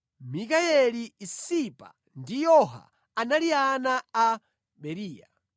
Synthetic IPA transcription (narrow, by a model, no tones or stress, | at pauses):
mikaɛliːsipa̰ | ndijɔɦa̰ | analianaː | ɓɛɾiːja̰